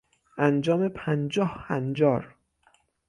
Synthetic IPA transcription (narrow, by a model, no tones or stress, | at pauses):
ʔænd͡ʒɒːmepʰænd͡ʒɒːhhænd͡ʒɒːɾ